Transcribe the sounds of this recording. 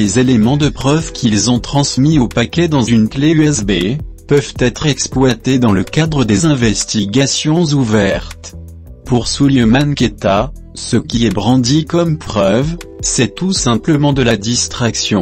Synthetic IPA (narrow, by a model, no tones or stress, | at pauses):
lezelemɑ̃d̪əpχœvkʲʰilzɔ̃t̪χɑ̃smiopakʲɛd̪ɑ̃zynkleyɛsbepœvt̪ɛt̪χɛksplwat̪ed̪ɑ̃ləkad̪ʁəd̪ezɛ̃vɛst̪iɡasjɔ̃zuvɛʁt̪ | puʁsuljəmanket̪a | səkʲiɛbʁɑ̃d̪ikɔmpχœvsɛt̪usɛ̃pləmɑ̃d̪əlad̪ist̪χaksjɔ̃